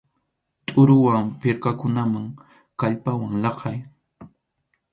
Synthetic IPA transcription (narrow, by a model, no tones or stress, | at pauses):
t̪ʼʊɾʊwampɪɾkakʊnamaŋ | kaʎpawaŋlɑqʰɑj